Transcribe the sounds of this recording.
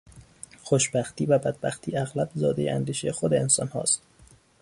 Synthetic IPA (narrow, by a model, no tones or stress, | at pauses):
xoʃbæxt̪iːvæbæd̪̚bæxt̪ʰiːæɣlæbzɒːd̪ejeʔæ̰nd̪iːʃexod̪eensɒnhɒ̰ːst̪